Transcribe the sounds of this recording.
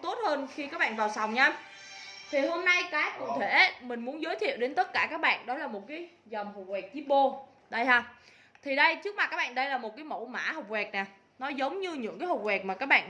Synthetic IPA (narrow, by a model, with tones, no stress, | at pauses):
t̪o˦˥t̚həː˧nxi˧ka˦˥k̚ɓa̰ː˧˨vaː˨˩wsa˨˩wŋ͡mɲa˧m | t̪ʰi˨˩ho˧mna˧jkaː˨˦˥kʊ̰˧˨t̪ʰe˧˩˦mï˨˩ŋ̟mu˨˦ənzə˨˦jt̪ʰḭ˧˨əwɗe˨˦nt̪ə˦˥t̚kaː˧˩kaː˦˥k̚ɓa̰ː˧˨nɗɔ˨˦laː˨˩mo˨˩t̚kaː˨˦j | zɔ˨˩wŋ͡mho̰˨˩wɛ˨˩k̚t͡ɕi˦˥ɓo˧ | ɗə˧jhaː˧ | t̪ʰi˨˩ɗə˧jt͡ɕɨ˦˥ək̚ma˨˩kaː˦˥k̚ɓa̰ː˧˨nɗə˧jlaː˨˩mo˨˩t̚kaː˨˦jmo̰˧˥ma̰ː˧˥hə˨˩w̚wɛː˨˩k̚naː˨˩ | nɔ˨˦zə˨˦wŋ͡mɲɨ˧ɲɨ̰˧˥ŋkaː˨˦jho˧˨˩k͡p̚wɛː˨˩k̚maː˨˩kaː˦˥k̚ɓa̰ː˧˨n